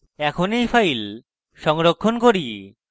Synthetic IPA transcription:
ɛkʰonejfʰajl | ʃɔŋɾokʰːonkoɾi

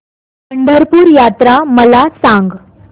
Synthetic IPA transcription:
pəɳɖʱəɾpuːɾjat̪ɾaməlasaŋɡ

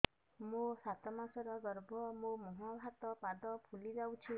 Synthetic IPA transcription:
mũsat̪ɔmasɔɾɔɡɔɾbʱɔmũmɔɦɔbʱat̪ɔpad̪ɔpʰulid͡ʒawt͡ʃʰi

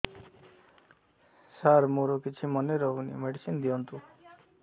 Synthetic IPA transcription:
saɾmoɾokit͡ʃʰimʌneɾɔɦunḭmeɖisind̪ijɔnt̪u

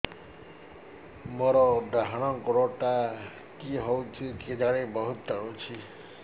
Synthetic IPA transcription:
mɔɾɔd̪ɾaɦaɽ̃ɔŋkɔɾɔʈa | kiɦowt͡ʃʰiked͡ʒaɽ̃ebɔɦut̪ːɔɽot͡ʃʰi

